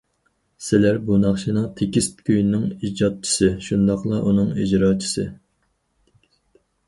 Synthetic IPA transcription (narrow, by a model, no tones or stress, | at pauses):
sɪlæɾbunɑχʃʰinɨŋt̪ʰekʲist̪kʲʰøjnnːɪŋid͡ʒɑt̪̚t͡ʃʰi̥sɨʃund̪ɑqlˠɑʔunɨŋid͡ʒɾɑːt͡ʃʰi̥sɨ